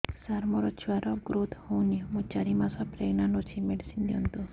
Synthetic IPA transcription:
saɾmɔɾɔt͡ʃʰuaɾɔɡɾot̪hunimut͡ʃaɾimasapɾeɡnanot͡ʃʰimeɖisindiɔnt̪u

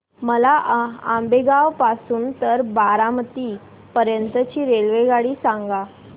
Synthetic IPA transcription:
məlaambeɡaʋpasuːnt̪əɾbaɾamət̪iː | pəɾjənt̪ət͡ɕiːɾelʋeɡaɽiːsaŋɡa

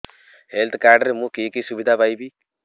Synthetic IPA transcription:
helt̪ʰkaːɾɖəɾmũkiːkisubid̪ʱapaːibi

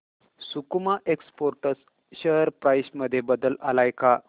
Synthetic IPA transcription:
sukmaʔekspoɾʈəs | ɕəɦəɾpɾajɕməd̪ʱːjebəd̪əlalajka

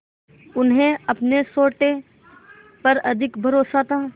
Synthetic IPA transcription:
ʊnɦẽɐpnesoːʈe | pɐɾɐd̪ʱɪkbʱɐɾoːsat̪ʰaː

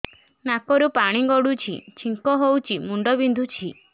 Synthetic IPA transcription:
nakɔɾupaɽ̃iɡɔɽut͡ʃʰḭt͡ʃʰiŋkɔɦowt͡ʃʰimuɳɖɔbind̪ʱut͡ʃʰi

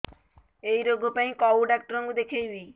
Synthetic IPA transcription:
ejɾoɡʱopãĩkɔuɖak̚ʈɾoŋɡud̪ekʰejbi

